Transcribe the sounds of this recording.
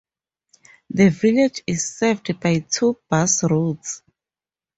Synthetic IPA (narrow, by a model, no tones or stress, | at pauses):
ðəviled͡ʒizsɛvdbajtʰub̥asɹuts